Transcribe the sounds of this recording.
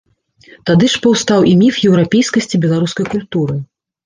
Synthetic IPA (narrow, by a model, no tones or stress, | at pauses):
t̪ad̪ɨʂpɐwst̪awʔimʲifjɛwɾapʲejskɐsʲt͡sʲibʲɛlˠaɾuskɐjkulʲt̪uɾɨ